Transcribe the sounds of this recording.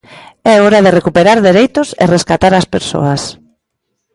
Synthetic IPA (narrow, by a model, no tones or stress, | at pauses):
ɛɔɾaðɪrekupeɾaɾðeɾejt̪ʊsḛreskat̪aɾaspeɾso̰as